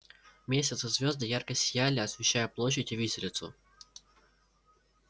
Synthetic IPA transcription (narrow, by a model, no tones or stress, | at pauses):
mʲesʲɪt̪səzʲvʲo̞zd̪əjarkəsʲɪjælʲɪɐsvʲɪɕːæjəplˠo̞ɕːɪtʲɪvʲisʲɪlʲɪt̪sʊ̰